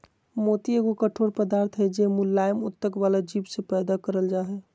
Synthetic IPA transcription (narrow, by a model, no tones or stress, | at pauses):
mot̪ieɡokəʈʰoɾpəd̪aɾt̪ʰɦəd͡ʒemulːajəmut̪ːəkbalad͡ʒipsepɛːd̪akəɾəld͡ʒaɦɛ